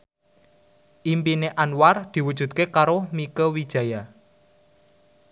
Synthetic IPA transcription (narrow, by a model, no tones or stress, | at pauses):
ʔimpineʔanward̪̥i̤wud̥ʒ̥ṳt̪̚kekaɾomikəwid̥ʒ̥a̤ja